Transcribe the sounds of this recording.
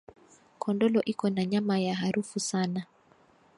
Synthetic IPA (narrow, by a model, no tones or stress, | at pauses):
kʰɔndɔlɔʔikɔnaɲamajaɦaɾufusana